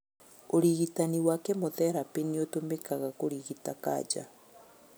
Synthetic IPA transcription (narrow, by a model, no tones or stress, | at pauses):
oɾiɣitaniwakɛmoðɛɾapeneotomekaɣakoɾiɣitaka̰ːd͡ʒa̰